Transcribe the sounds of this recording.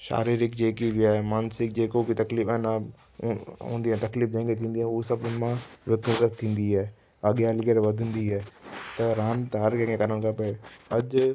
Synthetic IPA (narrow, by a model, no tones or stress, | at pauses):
ʃa̰ːɾiːɾɪkd͡ʑeːkibɪaːɦemaːnsɪk̚d͡ʑeːkokit̪ɐkliːfɛna | ɦṵ̃ːnd̪iaːt̪ɐkliːfd̪ẽːŋɡet̪ʰĩːn̆d̪iaːusɐbmãʋɪkəzət̪ʰːĩːn̆d̪iaː | aɠjaːlɡəɾʋɐd̪ʱə̃nd̪iɛːt̪ɐɾaːnt̪ɐɦɐɾkẽkʰẽkɐɾənkʰaːpɐɐʄ